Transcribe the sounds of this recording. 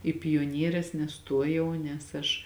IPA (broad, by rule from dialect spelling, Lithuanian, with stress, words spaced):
ɪ pʲoːˈnʲiɛrʲɛs nʲɛˈstuɔjɛʊ nʲɛs ˈɐʃ